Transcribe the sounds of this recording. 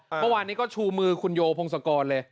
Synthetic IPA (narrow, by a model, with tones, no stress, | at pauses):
mɔ˥˩waː˧nːiː˦˥kɔː˥˩t͡ɕʰuː˧mɯː˧kʰu˧njoː˧pʰo˧ŋs̬a˨˧˩kɔː˧nlɤː˧